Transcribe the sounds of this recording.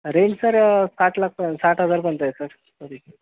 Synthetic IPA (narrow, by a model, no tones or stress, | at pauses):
ɾensəɾsaʈlak̚pəsaʈɦəd͡zaɾpəɳt̪ajesəɾ | kəɾi